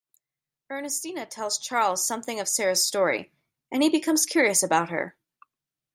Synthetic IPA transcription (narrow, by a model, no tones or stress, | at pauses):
b̥ɜ˞nɨstinɨtʰɛlˠz̥t͡ʃʰɑɹlˠz̥sʌ̃mθɪ̃ŋʌv̥sɛɹɨz̥stɔɹḭ | ʔɨ̃nibɨkʰʌ̃mz̥kʰj̥ʊɹiɨsɨbaʊt̚hə̰˞